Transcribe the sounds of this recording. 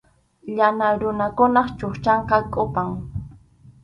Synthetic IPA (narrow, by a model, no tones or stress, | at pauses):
ʎanaɾʊnakʊnɑχt͡ʃoχt͡ʃɑɴqɑkʼʊpaŋ